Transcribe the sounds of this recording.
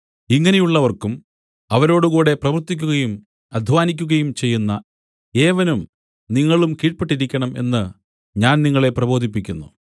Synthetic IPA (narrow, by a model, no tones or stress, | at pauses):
iŋːɐne̞juɭːɐʋɐrkum | ɐʋɐɾo̞ːɽukuːɽe̞prɐʋɐrt̪ːikʲːuɣɐjum | ɐd̪ʱʋaːnikʲːuɣɐjumt͡ɕe̞jːunːɐ | e̞ːʋɐnum | niŋːɐɭumkiːʈ̚peʈːiɾikʲːɐɳɐme̞̰nːɨ | ɲaːnniŋːɐɭe̞prɐbo̞ːd̪ʱipːikʲːunːṵ